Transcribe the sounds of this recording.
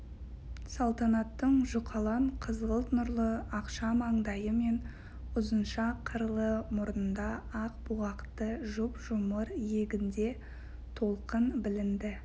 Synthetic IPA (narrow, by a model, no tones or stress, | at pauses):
sɑlˠt̪ɑnɑt̪ːəɴʒʊqʰɑlˠɑɴqʰəzʁəlˠt̪nʊɾlˠəɑqʃɑmɑɴd̪ɑjəme̞n | ʊzənʃɑqʰəɾlˠəmʊɾənd̪ɑɑqbuɑqt̪əʒʊpʒ̥ʊməɾje̞ɡʲɪnd̪e̞ | t̪ʰo̞lˠqənbɪlɪnd̪ɪ